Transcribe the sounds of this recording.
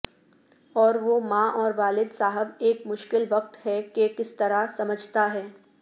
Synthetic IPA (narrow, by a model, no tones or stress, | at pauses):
ɔːɾʋomãːʔɔːɾʋaːlɪd̪saːɦəbeːkmʊʃkɪlʋɐq̚t̪ɦɛkekɪst̪ɐɾasɐməd͡ʒʱt̪aɦɛː